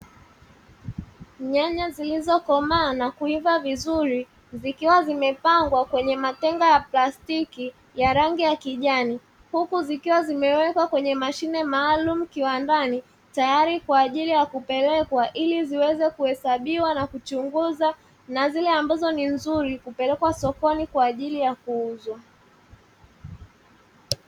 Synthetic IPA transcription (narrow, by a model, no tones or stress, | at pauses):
ɲaɲazilizɔkɔmaːnakuivavizuɾi | zikiwazimɛpaŋɡwakwɛɲɛmatɛŋɡajaplastiki | jaɾaŋɡijakiʄani | hukuzikiwazimɛwɛkwakwɛɲɛmaʃinɛmaːlumukiwandani | tajaɾikwaːʄilijakupɛlɛkwaʔiliziwɛzɛkuhɛsaɓiwanakut͡ʃuŋɡuza | nazilɛambazɔninzuɾikupɛlɛkwasɔkɔnikwaːʄilijakuuzwa